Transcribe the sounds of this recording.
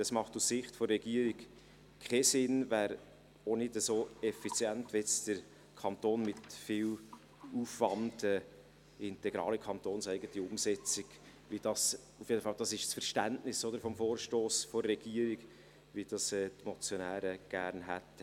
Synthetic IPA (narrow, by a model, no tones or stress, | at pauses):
d̥ɑsmɑχtusːɪχtfɔrːɛɡ̥iəɾik | kʰχɛsɪnvæːɾ | onɪdəsoːɛfit͡sjæntvɛt͡sd̥əɾ | kʰɑnt̪oːnmɪt̪fɪːw | uːfʋɑntə | ɪntɛɡɾɑ̰ːlikʰɑntoːnsæɪɡətiʊmsɛt͡sɪɡ̥ | ʋid̥ɑs | ufjedəfɑld̥̪ɑsɪʃsfəɾʃtæntnɪsɔd̪əɾfɔmfoːɾʃtoːsfɔːɛɡiəɾiɡ | ʋid̥ɑsɛːtmɔt͡sjonæːɾəɡ̥æːɾnɦæt̪